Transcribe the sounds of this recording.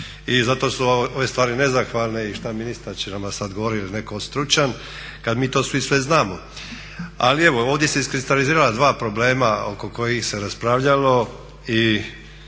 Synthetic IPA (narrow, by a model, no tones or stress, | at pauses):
izat̪o̞ːsuooʋe̞ːst̪ʋaːɾine̞zaxʋaːlˠne̞iʃt̪aminist̪aɾt͡ɕenamasad̪ɡoʋoɾiline̞kost̪ɾut͡ɕan | kad̪miːt̪oːsʋisʋeznaːmo | a̰lie̞ʋo̞oːʋd̪je̞seskɾist̪aliziːɾalad̪ʋaːpɾo̞ble̞ːmaoko̞ko̞jixse̞ɾaspɾaʋʎalo̞ | i